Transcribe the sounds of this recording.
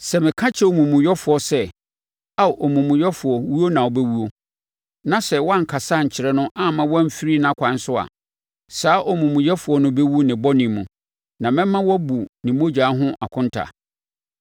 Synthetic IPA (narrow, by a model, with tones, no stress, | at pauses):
sɛ˨mɪ̃˨kʰã˦t͡ɕʰɛ˦o˨mũ˨mũ˨jɛ˦fʊ˨ɔ˨sɛ˦ | a˦˨ʔɔ˨mũ˨mũ˨jɛ˦fʊ˨ɔ˨wu˦o˦nã˨ɔ˨bɛ˦wu˦o˦ | nã˨sɛ˨wɔ˦a˦ŋ̩˨kʰa˨sa˦˨ɲ̩˨t͡ɕʰɪ˨ɾɛ˦nʊ̃˦ʔa˦mã˦wɔ˦m̩˦fi˦ɾi˦nã˦˨kʷʰã˨n˦sʊ˦a̰˨ | saː˨˦ʔɔ˨mũ˨mũ˨jɛ˦fʊ˨ɔ˦nʊ̃˦bɛ˦wu˦nɪ̃˨bɔ˦nĩ˨mũ˨ | nã˨mɪ̃˦mːã˦wɔ˦bu˨nɪ̃˨mõ˦d͡ʑaː˨˦ɦʊ̃˦ʔa˨kʰʊ̃˦n˦tʰa̰˨